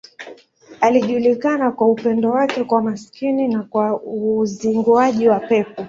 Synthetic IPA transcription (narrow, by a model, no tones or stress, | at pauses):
aliʄulikanakwaupɛndɔwakɛkwamaskininakwauziŋɡuaʄiwapɛpɔ